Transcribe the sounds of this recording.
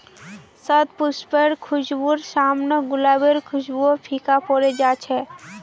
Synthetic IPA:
sət̪pʊspeɾkʰʊʃbuɾsaːmnəɡʊlabeɾkʰʊʃbuopʰikapɔɾed͡ʒat͡ʃʰɛ

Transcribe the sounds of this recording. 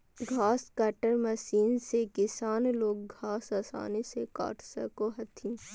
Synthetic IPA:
ɡʱaːskɐʈəɾmɐsiːnsekɪsaːnloːɡ̚ɡʱaːsaːsa̰ːniseka̰ːʈʰsɐkoɦɐt̪ʰĩː

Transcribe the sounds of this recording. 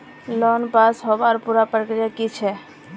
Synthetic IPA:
lɔnpasɦɔbaɾpuɾapɾəkɾijakit͡ʃʰɛ

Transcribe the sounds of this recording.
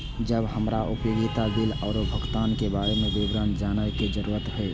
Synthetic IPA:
d͡ʒəbhəmɾaʔʊpjoːɡɪt̪ab̪ɪlɔːɾobʱəɡt̪aːnkebaːɾemẽbibɾənd͡ʒaːnəɦked͡ʒəɾuːɾət̪ɾɦe

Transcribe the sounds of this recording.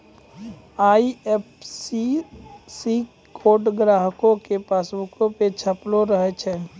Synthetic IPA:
aːiepsisi | kʰoːɖɡɾaːɦkõkepaːsʋʊkõpet͡ʃʰəploɾəɦɛt͡ʃʰɛː

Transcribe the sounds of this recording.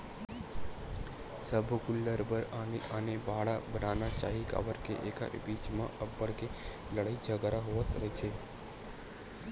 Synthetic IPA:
səbʱkʊlːəɾbəɾaneʔənebaːɭabɾanat͡ʃa̰ɦika̰ʋəɾkḛʔekə̰ɾbit͡ʃmãʔəbːəɽke | ləɭəid͡ʒʱəɡəɾaɦoʋət̪ɾəɦit͡ʃʰe

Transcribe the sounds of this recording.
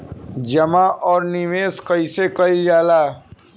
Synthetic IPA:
d͡ʒəmaʔɔːɾnimeːskəisekəid͡ʒaːlaː

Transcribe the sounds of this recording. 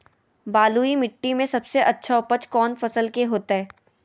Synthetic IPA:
baːluimɪʈːimẽsɐbseʔɐtːʃʰaʊpət͡ʃkɔːnfɐsəlkeɦoːt̪aɦɛː

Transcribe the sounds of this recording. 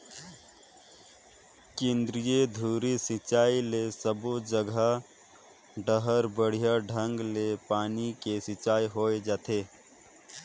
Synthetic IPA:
kẽːnd̪ɾijed̪ʱuːɾisɪt͡ʃaːilesəbod͡ʒəɡʱə | ɖəɦəɾbəɽ̤ijaɖʱə̃ŋɡlepaːnikesɪt͡ʃaːiɦoːed͡ʒaːt̪ʰeː

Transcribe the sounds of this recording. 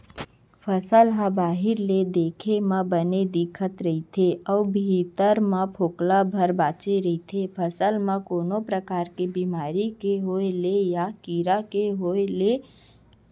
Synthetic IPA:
pʰəsəlɦãbaːɦɪɾled̪eːkʰemãbəned̪ɪkʰət̪ɾəɦit̪ʰeɔːbʱiːt̪əɾmãpʰoːklabʱəɾbaːt͡ʃeɾəit̪ʰepʰəsəlmãkoːnopɾəkaːɾkebimaːɾikeɦoelejakiɾakeɦoːele

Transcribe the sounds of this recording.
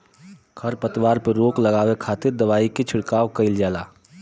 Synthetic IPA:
kʰəɾpət̪waːɾpeɾoːklɐɡaːwekʰaːt̪ɪɾd̪ɐʋaːiket͡ʃʰʊɽkaːʋkəɪld͡ʒaːlaː

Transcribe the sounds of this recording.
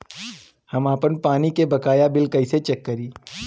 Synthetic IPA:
hɐmaːpənpaːnikebɐkaːjabɪlkɐɪset͡ʃɐkːəɾiː

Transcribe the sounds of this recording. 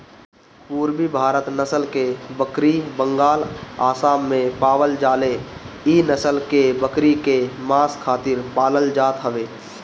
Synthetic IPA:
puːɾbibʱaːɾət̪nəsəlkebəkɾibə̃ŋɡaːlaːsaːmːẽpaːwəld͡ʒaːle | inəsəlkebəkɾikemaːskʰːaːt̪ɪɾpaːləld͡ʒaːt̪ɦəʋeː

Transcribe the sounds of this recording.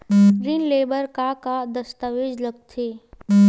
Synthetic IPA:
ɡɾiːnleːbəɾkakad̪əst̪aʋeːd͡ʒləɡ̚t̪ʰeː

